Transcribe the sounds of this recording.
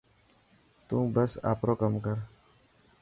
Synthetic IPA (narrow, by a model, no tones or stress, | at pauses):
t̪ũːbɐsa̰ːpɾoːkəmkəɾ